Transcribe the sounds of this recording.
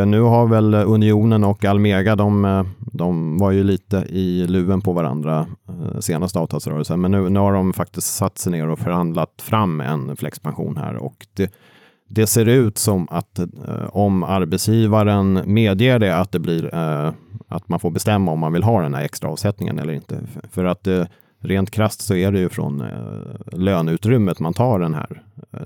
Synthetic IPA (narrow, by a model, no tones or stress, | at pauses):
nʉ̟ːɦaɾvɛlɵnɪuːnənɔkːalmeːɡad̪ɔmd̪ɔmvaɾjɵliːt̪əʔɪlʉ̟ːənpʰɔvaɾa̰nd̪ɾaseːnast̪əɑːvt̪ʰɑːlsɾœːɾəlsənmɛnːʉ̟ːnʉ̟ːhaɖɔmfak̚t̪ɪsksat̪ːsɛjneːɾɔfœɾhand̪lat̪fɾamːɛ̰nflɛ̰kspʰanɧṵːnhæ̰ːɾɔ̰kd̪̥ɛ | d̪ɛseːɾʉ̟ːt̪sɔmat̪ɔmaɾbɛt̪sjiːvaɾənmeːd̪jeːɖɛat̪̚d̪ɛblɪɾ | a̰t̪manfoːɾbɛst̪ɛmːaɔmːanvɪlɦɑːd̪ɛnhæ̰ɾɛkst̪ɾa̰ɑːvsɛt̪nɪŋə̰nɛlːəɾɪ̰nt̪ə̰fœɾat̪̚d̪ɛ | ɾeːnt̪kʰɾast̪sɔæɖɛjɵfɾɔ̰n | løːnʉ̟ːt̪ɾʏmːət̪mant̪ʰɑːɖɛnɦæ̰ːɾ